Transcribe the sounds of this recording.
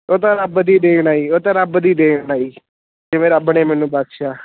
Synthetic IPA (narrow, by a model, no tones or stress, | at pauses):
oːt̪ãːɾəbd̪iːd̪eːkʰɳaːiːoːt̪ãːɾəbd̪iːd̪eːkʰnaːiː | d͡ʒɪʋẽːɾəbɳeːmɛːnũːbakʃaː